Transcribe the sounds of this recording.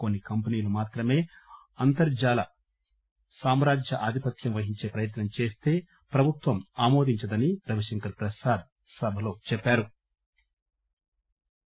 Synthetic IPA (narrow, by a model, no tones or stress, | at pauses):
ko̞nːikɐmpɐniːlumaːt̪ɾɐme̞ː | ɐnt̪ɐɾd͡ʒaːlɐ | saːmɾaːd͡ʒjɐʔaːd̪ʱipɐt̪ʰjɐmʋɐɦiɲt͡ʃe̞ːpɾɐjɐt̪nɐmt͡ʃe̞ːst̪e̞ː | pɾɐbʱut̪ʋɐmaːmo̞ːd̪ʱiɲt͡ʃɐd̪ɐniɾɐʋɐʂɛŋkɐɾpɾɐsaːd̪̚ | sɐbʱɐlo̞ːt͡ʃɛpːaːɾu